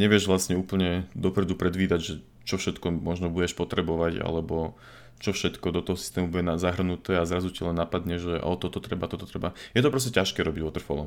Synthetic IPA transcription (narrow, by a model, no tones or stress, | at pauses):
ɲɛʋɪɛʒʋlasɲɛuːpl̩ɲɛd̪ɔpɾɛd̪upɾɛd̪ʋiːd̪aɟʒɛ | t͡ʃɔfʃɛt̪kɔmɔʒnɔbuɟɛʃpɔt̪ɾɛbɔʋaɟa̰lɛbɔ | t͡ʃɔfʃɛt̪kɔd̪ɔt̪ɔɦɔsi̥st̪ɛːmubuɟɛnazaɦr̩nut̪ɛːazɾazucilɛnːapad̪ɲɛʒʒɛʔɔ̰t̪ɔt̪ɔt̪ɾɛbat̪ɔt̪ɔt̪ɾɛbajɛt̪ɔpɾɔs̬cɛcaʃkɛːɾɔbiɟʋɔt̪r̩fɔlɔ̰m